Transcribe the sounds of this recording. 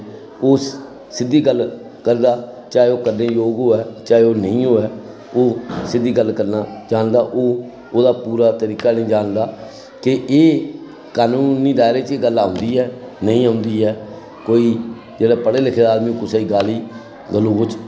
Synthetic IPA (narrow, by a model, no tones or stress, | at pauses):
oː | sɪd̪iːɡəlː | kəɾd̪aːt͡ʃaːeoːkəɾneːjoːɡɦoːɛːt͡ʃaːeoːnəĩːɦoːɛː | oːsɪd̪iːɡəlːkəɾnaːd͡ʒaːnd̪aːʔoː | oːd̪aːpuːɾaːt̪əɾiːkaːnə̃ĩːd͡ʒaːnd̪aː | kɪʔeː | kaːnuːniːd̪aːɪɾeːt͡ʃeːɡəlaːʊ̃nd̪iːɛːnəĩːaːʊnd̪iːɦɛː | koːiː | d͡ʒeːɽaːpəɽeːlɪkʰeːd̪aːd̪mĩːõkʊsaːiːɡaːliː | ɡəlːõːkʊt͡ʃ